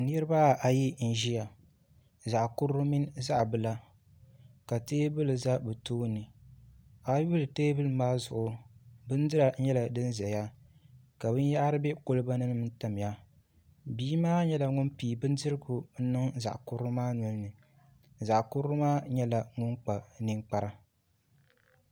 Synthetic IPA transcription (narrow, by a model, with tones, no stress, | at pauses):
n˦ɛ˦ɾɨ˦ba˦a˨ji˦n̩˨ʒi˦a˨ | za˨ʔkʊ˦ɾʊ˦mi˦nza˦ʔbɨ˨la˦ | ka˨teː˦bɨ˦lɨ˨za˦bɨ˨toː˦nɨ˨ | a˨˦u˦lɨ˨teː˦bɨ˦lɨ˨maː˦zʊ̰˨ʔʊ˨bɨ˦n˦dɨ˦ɾa˨˦ɲɛ˦la˨dɨ˦nzɛ˨ja˦ka˨bɨ˦n˦ja˦ʔɾɨ˦bɛ˦ko˦lɨ˦ba˦nɨ˦nɨ˦m˦n̩˦ta˨m˨ja˦ | biː˦maː˦ɲɛ˦la˨ŋʊ˦npiː˨bɨ˦ndɨ˦ɾɨ˦ɡʊ˨n̩˦nɨ˦ŋza̰˨ʔkʊ˦ɾʊ˦maː˦nɔ˦lnɨ˨ | za˨ʔkʊ˦ɾmaː˦ɲɛ˦la˨ŋʊ˦ŋk͡pa˨nɨ˦ŋk͡pa˦ɾa˦